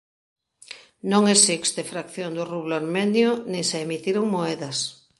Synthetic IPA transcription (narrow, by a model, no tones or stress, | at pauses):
nõŋesikst̪efɾakθjond̪ʊruβloaɾmenjʊnẽŋseemit̪iɾoŋmoɛðɐs